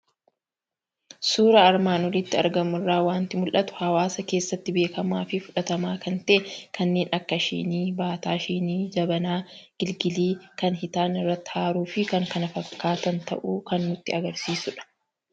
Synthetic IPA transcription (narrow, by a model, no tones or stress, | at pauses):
suːɾɐːɾmaːnɔlɪt̪ːɪɐɾɡɐmʊɪrːaːwaːnt̪ɪmʊlʔɐt̪ʊ̥hɐwaːsɐke̞ːsːɐt̪ːɪbe̞ːkɐmaːfɪfʊᶑɐt̪ɐmaːkɐnt̪ɐʔɛkʰɐnːe̞ːnʔɐkːɐʃḭːniːbaːt̪aːʃiːniːd͡ʒɐbɐnaːɡ̥ɪlɡɪliːkɐnɦɪt̪aːnɪrːɐt̪ːɪ̥haːɾuːfɪkɐŋkɐnɐfɐkːaːt̪ɐnt̪ɐ̰ʔuːkɐnːʊt̪ːɪɐɡɐɾsiːsʊᶑɐ̥